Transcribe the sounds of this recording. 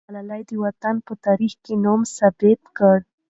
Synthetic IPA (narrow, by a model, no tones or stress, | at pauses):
alalajd̪əwat̪anpət̪aɾixkenomsabet̪kəɽ